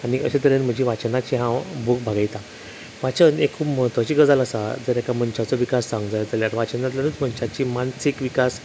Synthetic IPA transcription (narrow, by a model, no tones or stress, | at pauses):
aniəɕat̪əɾenm̤ə̃d͡ʑiʋat͡ɕənat͡ɕiɦãbʱuk̚bʱaɡajt̪a | ʋat͡ɕənekʰupməɦət̪ʋat͡ɕiːɡəd͡zaləsa̰d͡zəɾekam̤əɳt͡ɕat͡sɔʋikasːãŋɡd͡zajd͡zəljaɾʋat͡ɕənat̪̬lanət͡sm̤ənt͡ɕat͡ɕimansikʋikas